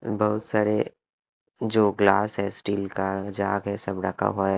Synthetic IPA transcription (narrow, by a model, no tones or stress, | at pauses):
bɐɦʊt̪saːɾe | d͡ʒoːɡlaːsɦɛ̃sʈiːlkad͡ʒaːɡɦɛsɐbɖakʰa̰ɦoː